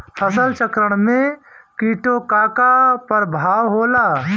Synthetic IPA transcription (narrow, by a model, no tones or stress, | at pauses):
fʰəsəlt͡ʃəkɾəɽ̃mẽkiːʈokaːkapəɾbʱaːwɦoːlaː